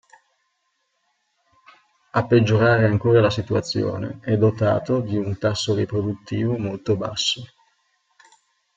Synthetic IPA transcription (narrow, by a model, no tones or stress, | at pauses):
apːed͡ʒːoɾaːɾeaŋkoːɾalasit̪uat̪sːjo̰ːnḛɛd̪ːot̪a̰ːt̪od̪iunt̪asːoɾipɾod̪ut̪ːiːvomolt̪oba̰sːo